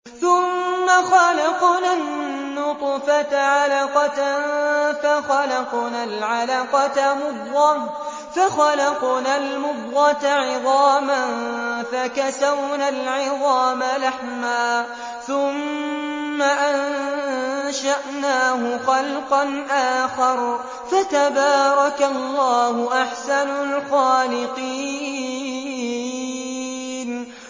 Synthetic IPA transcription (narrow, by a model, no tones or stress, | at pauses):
θʊmːaxɑlɑqnanː | ʊt̪ˤfat̪ʕalaqɑt̪ | faxalɑqnaːlʕalaqɑt̪amʊd̪ːɑ | faxalɑqnaːlmʊdːɑt̪aʕɪðˤɑːmanfakasawnalʕɪðˤɑːmalaħmaː | θʊmː | aʔan | ʃaʔnaːhʊxɑlqɑnʔaːxɑɾˤ | fat̪abaːɾˤɑkalːɑːhʊʔaħsanʊlxaːlɪqiː | n